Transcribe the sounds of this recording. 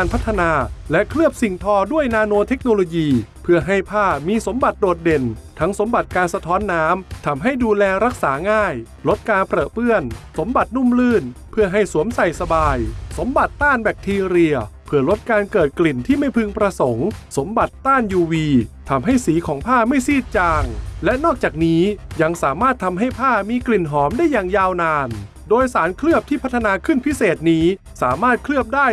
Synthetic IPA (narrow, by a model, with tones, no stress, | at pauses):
aː˧npʰa˦˥t̪ʰːa˧naː˧lɛ˦˥ʔkʰɾɯ˥˩əp̚si˨˩ŋt̪ʰɔː˧du˥˩əjnaː˧noː˧t̪ʰe˦˥k̚noː˧loː˧jiː˧pʰɯ˥˩ɐɦa˥˩jpʰaː˥˩miː˧so˩˦mba˨˩t̪̚doː˨˩t̪̚de˨˩nt̪ʰa˦˥ŋso˩˦mba˨˩t̪̚kaː˧nsa˧t̪ʰɔː˦˥nːaː˦˥mt̪ʰa˧mɦa˥˩jduː˧lɛː˧ɾa˦˥k̚saː˩˦ŋaː˥˩j | lo˦˥t̪̚kaː˧npɾa˨˩pɯ˥˩ənso˩˦mba˨˩t̪̚nu˥˩mlɯː˥˩npʰɯ˥˩ɐɦa˥˩jsu˨˩˦əmsa˨˩jsa˧baː˧jso˩˦mba˨˩t̪ːaː˥˩nbɛː˨˩k̚t̪ʰiː˧ɾi˧əpʰɯ˧˩ɐlo˦˥t̪̚kaː˧nkɤː˨˩t̪̚kli˨˩nt̪ʰiː˥˩ma˥˩jpʰɯ˧ŋpɾa˧so˩˦ŋso˩˦mba˨˩t̪ːaː˥˩njuː˧wiː˧t̪ʰa˧mɦa˥˩jsiː˩˦kʰɔː˩˦ŋpʰaː˥˩ma˥˩jsiː˥˩t̪̚t͡ɕaː˧ŋlɛ˦˥ʔnɔː˥˩k̚t͡ɕaː˨˩k̚niː˦˥ja˧ŋsaː˩˦maː˥˩t̪ʰːa˧mɦa˥˩jpʰaː˥˩miː˧kli˨˩nɦɔː˩˦mdaː˥˩jːa˨˩ŋjaː˧wnaː˧n | doː˧jsaː˩˦nkʰɾɯ˥˩əp̚t̪ʰiː˥˩pʰa˦˥t̪ʰːa˧naː˧kʰɯ˥˩npʰi˦˥seː˨˩t̪̚niː˦˥ | saː˩˦maː˥˩t̪̚kʰlɯ˥˩əp̚daː˥˩j